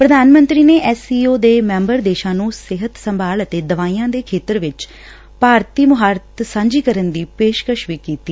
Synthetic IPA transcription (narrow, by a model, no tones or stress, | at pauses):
pɾəd̪aːnmə̃nt̪ɾiːneːʔɛːsiːoːd̪eːmɛ̃ːmbəɾd̪eːʃãːnũːsɪɦət̪səmbʱaːlət̪eːd̪əʋaːiːãːd̪eːkʰeːt̪əɾʋɪt͡ʃ | paːɾt̪iːmʊɦaːɾt̪sãːɲd͡ʒiːkəɾənd̪iːpeːʃkəʃʋiːkiːt̪iː